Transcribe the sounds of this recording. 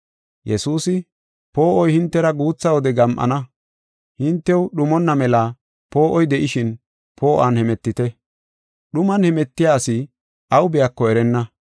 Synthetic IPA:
jɛsuːsɪ | po̞ːʔɔjhɪnt̪ːɛɾɐɡuːt͡sːɐwɔd̪ɛɡɐmʔɐ̰nɐ | hɪnt̪ːɛwɗʊmɔnːɐmɛlɐ | po̞ːʔɔjd̪ɛʔɪʃɪn | po̞ːʔanhɛmɛt̪ːɪt̪ɛ | ɗʊmɐnhɛmɛt̪ːɪjaːsɪ | ʔɐwʊbɪjakːɔɛɾɛnːɐ

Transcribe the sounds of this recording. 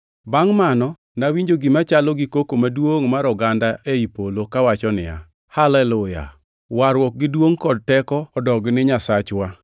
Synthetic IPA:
baŋmanɔ | nawiɲd͡ʒoɡimat͡ʃalɔɡɪkokomadwoŋmaɾɔɡandaʔeipolokawat͡ʃɔnɪ̰ja̰ | halɛlʊja̰ | waɾwɔk̚ɡɪdwoŋkɔd̚tɛkɔːdɔɡnɪɲasat͡ʃwa

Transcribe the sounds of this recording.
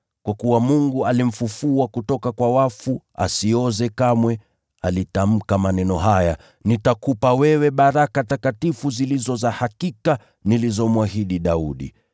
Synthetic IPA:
kwakuwamuŋɡualim̩fufuakutɔkakwawafua̰siɔzɛkamwɛ | alitam̩kamanɛnɔɦaja | nitakupawɛwɛɓaɾakatakatifuzilizɔzahakika | nilizɔmwaɦiɗiɗauɗḭ

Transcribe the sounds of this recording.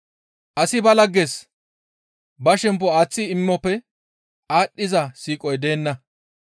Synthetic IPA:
ʔɐsɪbɐlɐɡːes | bɐʃɛmp̬ːɔaːt͡sːɪɪmːɔpːɛ | aːɗːɪzɐsiːkʼɔjd̪e̞ːnːɐ

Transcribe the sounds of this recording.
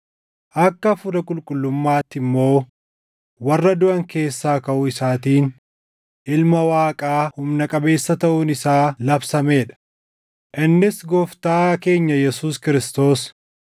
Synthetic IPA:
ʔɐkːɐfʊd̪ɐkʼʊlkʼʊlːʊmːaːt̪ːɪmːo̞ː | wɐrːɐd̪ʊʔɐŋke̞ːsːaːkɐʔʊɪsaːt̪iːn | ʔɪlmɐwaːkʼaːhʊmnɐkʼɐbe̞ːsːɐt̪ɐʔʊnɪsaːlɐbsɐme̞ːᶑɐ̥ | ʔɪnːɪsɡɔːft̪aːke̞ːɲːɐjɛsuːskɪɾɪst̪o̞ːs

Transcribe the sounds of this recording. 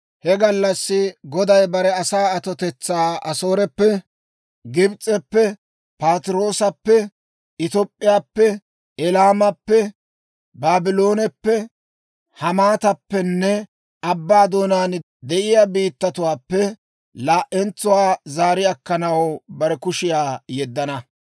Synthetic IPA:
hɛɡɐlːɐsːɪɡɔd̪ɐjbɐɾɛɐsaːɐt̪ɔt̪ɛt͡sːaːɐsoːɾɛpːɛ | ɡɪbt͡sʼːɛpːɛ | paːt̪ɪɾo̞ːsɐpːɛ | ɪt̪opʼːɪjaːpːɛ | ɛlaːmɐpːɛ | baːbɪloːnɛpːɛ | hɐmaːt̪ɐpːɛnːɛ | ɐbːaːd̪oːnaːn | d̪ɛʔɪjaːbiːt̪ːɐt̪ʊwaːpːɛ | laːʔɛnt͡sːʊwaːzaːɾɪjɐkːɐnɐwbɐɾɛkʊʃɪjaːjɛd̪ːɐnɐ

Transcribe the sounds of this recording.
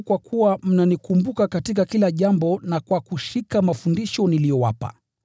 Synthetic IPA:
kwakʰuwam̩nanikumbukakatikakilaʄambɔnakwakuʃikamafundiʃɔnilijɔwa̰pa̰

